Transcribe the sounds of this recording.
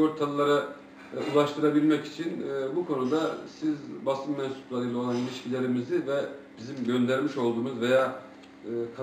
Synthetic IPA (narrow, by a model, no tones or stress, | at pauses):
o̞ɾt̪ʰalˠɯlˠaɾa | ulˠaʃt̪ʰɯɾabilʲmɛci̥t͡ʃʰinbukʰo̞nud̪asizbasɯmmɛnsu̥p̪ˠad̪ilʲˠo̞lˠanilʲiʃcilʲe̞ɾimizivɛb̥izimɟø̞nd̪æɾmiʃo̞lˠd̪uːmuzve̞jaː | kʰ